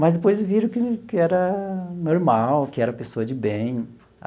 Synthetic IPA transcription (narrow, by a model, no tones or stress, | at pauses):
mɐzd̪epojzviɾʊkɪkɪɛɾɐnoɾmawkɪɛɾɐpesoɐd͡ʒɪbẽj̃